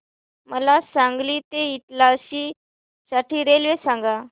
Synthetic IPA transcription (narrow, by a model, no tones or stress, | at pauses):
məlasãŋɡliːt̪eit̪laəɕiː | saʈiːɾelʋesãŋɡa